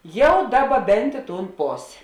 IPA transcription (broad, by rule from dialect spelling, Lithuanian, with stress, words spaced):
ˈjɛʊ ˈdɑːˌbɐ ˈbʲɛnt ɪ tuːn ˈpoːsʲeː